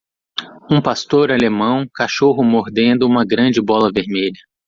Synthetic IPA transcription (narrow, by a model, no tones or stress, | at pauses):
ũpast̪oɾalemɐ̃w̃kaʃoɦʊmoɾd̪ẽnd̪ʊũmɐɡɾɐ̃d͡ʒɪbɔlɐveɾmeʎɐ